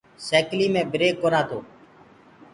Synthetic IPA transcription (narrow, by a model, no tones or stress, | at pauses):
seːkliːmẽːbɾeːkːoɾãːt̪ʰoː